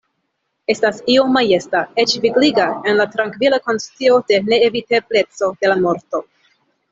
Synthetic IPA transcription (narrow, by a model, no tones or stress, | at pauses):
e̞stasiomaje̞stae̞t͡ʃviɡliɡae̞nlatɾaŋkvilako̞nst͡sio̞de̞ne̞ːviteble̞t͡so̞d̥e̞lamo̞ɾto̞